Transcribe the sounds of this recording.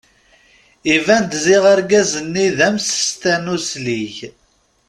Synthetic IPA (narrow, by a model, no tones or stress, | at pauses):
ivænd̪ziʁaɾɡæzənːiðəmsə̥st̪ænusliç